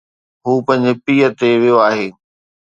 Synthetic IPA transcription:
ɦuːpɐ̃ɦɪ̃ɲ̆d͡ʑɪpiːət̪eʋijoaːɦeː

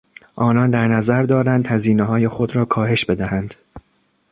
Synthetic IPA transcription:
ʔɒːnɒnd̪æɾnæzæɾd̪ɒːɾænd̪hæziːneɦɒːje̞xo̞d̪ɾɒːkʰɒːɦe̞ʃb̥e̞d̪æhænd̪̥

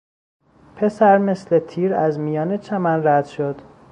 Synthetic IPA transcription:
pʰe̞sæɾme̞slet̪ʰiːɾæzmijɒːnet͡ʃʰæmænɾæd̪̥ʃod̪̥

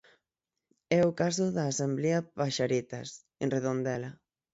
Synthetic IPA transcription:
ɛʊkasʊðaːsambleapaʃaɾit̪as | enreðond̪ɛla

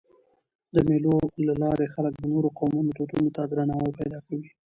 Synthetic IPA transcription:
d̪əmelolalɑɾexalək̚d̪ənoɾoqawmunot̪ot̪unot̪ad̪ɾanɑwajpajd̪ɑkawi

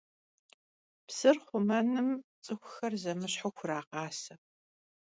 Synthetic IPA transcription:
psɨrχʷʊmɐnɨmt͡sʼɨxʷʊxɐrzɐmɨɕħʊxʷʊɾaːqɑːsɐ

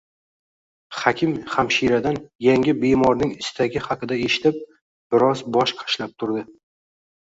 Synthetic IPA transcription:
χakʲʰɪmχamʃiɾad̪anjaŋʲɪbe̞mɒɾnɪŋɪst̪ʰaɡʲɪhɑqɨd̪ae̞ʃɪ̥t̪ʰɪp̚ | b̥ɪɾɒzbɒʃqʰɑ̥ʃlap̚t̪ʰʊɾd̪ɪ

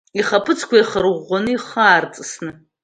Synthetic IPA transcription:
iχapʰɨt͡sʰkʷaiχərʁːʷanɨiχaːrt͡sʼɨsnɨ

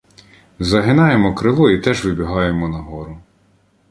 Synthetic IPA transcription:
zɐɦɪnɑjemɔkɾɪlˠɔit̪ɛʒʋɪbʲiɦɑjemɔnɐɦɔɾʊ

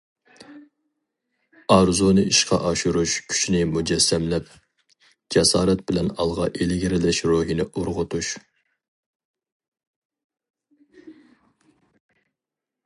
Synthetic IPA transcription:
ɑɾzunɨiʃqʰɑ̰ʔɑʃuɾuʃkʲʰy̥t͡ʃʰinɪmud͡ʒɛsːɛmlɛp̚ | d͡ʒɛsɑːɾɛt̪̚bɪlɛnɑlˠʁɑʔelɪɡʲiɾɪlɪʃɾoɦinɪʔoɾʁʊt̪ʰuʃ

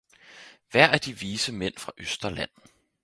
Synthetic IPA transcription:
ʋæɐ̰ʔæɐd̥iʋiːsəmen̰fʁɑ̈ʔøsd̥ɐlæn̰̩

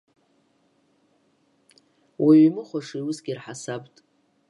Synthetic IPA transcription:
wʔaɥimɨχʷaʂiwʊsɡʲirħasabʼtʼ

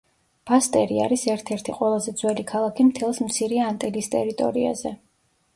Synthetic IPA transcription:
b̥ast̪ʼɛɾia̰ɾisɛɾt̪ʰɛɾt̪ʰiqʼwɛlˠazɛd̪zwɛlikʰalˠakʰimt̪ʰɛlˠsmt̪sʰiɾɛant̪ʼɛlist̪ʼɛɾit̪ʼɔ̰ɾia̰zɛ

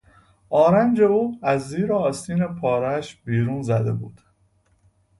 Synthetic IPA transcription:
ʔɒːɾænd͡ʒe̞uːæzːiːɾeɒːst̪ʰiːnepʰɒːɾæʃbiːɾuːnzæd̪e̞̰bṵːd̪̥

